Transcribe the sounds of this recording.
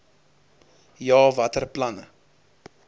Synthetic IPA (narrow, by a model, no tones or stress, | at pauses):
jɑːvɐtərplɐnə̰